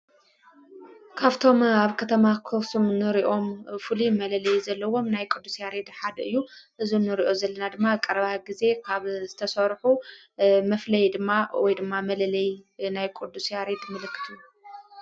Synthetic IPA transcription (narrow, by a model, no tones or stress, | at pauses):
kʰaβt̪ʰo̞maβkʰɐt̪ʰɐmakʰosumnɨɾiʔo̞mfɨlimɐlɐlɐjzɐlːɐwo̞mnajkʼɨd̪ːusjaɾe̞d̪ħad̪ɐɨjːuʔɨzunɨɾiʔo̞zɐlːɐnad̪ɨmːakʼɐɾɐβaɡize̞kʰaβzɨt̪ʰɐsɐɾħu | mɐflɐjd̪ɨmːawɔjd̪ɨmːamɐlɐlɐjnajkʼɨd̪ːusjaɾe̞d̪mɨlɨkːɨ̥t̪ʰu